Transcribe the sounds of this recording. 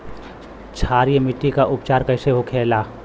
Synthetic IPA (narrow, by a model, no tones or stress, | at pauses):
t͡ʃʰaːɾjemɪʈːikaʔʊpt͡ʃaːɾkɐɪseɦokʰeːlaː